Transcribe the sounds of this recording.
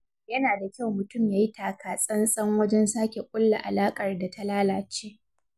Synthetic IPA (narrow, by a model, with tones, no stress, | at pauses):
jɐ˦naː˨da˨kʲa˦˨wmʊ˨tʊ˦˨mjaː˦ji˦tʰaː˨kaː˨sʼɐ˦nsʼɐ˦ŋwɐ˦d͡ʒɛ˦nsaː˦kʲe˨kʷʼʊ˦lːa̰˨ʔa˨laː˦kʼɐ˨rda˨tʰa˦laː˦laː˨t͡ʃeː˦